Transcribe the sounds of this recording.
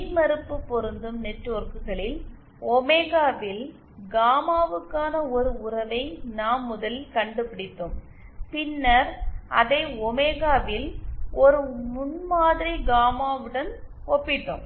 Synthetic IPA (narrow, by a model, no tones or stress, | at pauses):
nmɐɾɯpːɯpːɔɾɯnd̪ɯmnɛʈroːɾkɯɣɐɭɪl | ɔmeːɣaːʋɪl | ɡaːmaːʋɯkːaːnɐɔɾɯʊɾɐʋɐɪnaːmːʊðɐlkɐɳɖɯpɪɽɪt̪ːɯm | pɪnːɐɾʔɐ̰ðɐɪɔmeːɣaːʋɪlɔɾɯmʊnmaːðɪɾiɡaːmaːʋɯɽɐn | ɔpːɪt̪ːɯm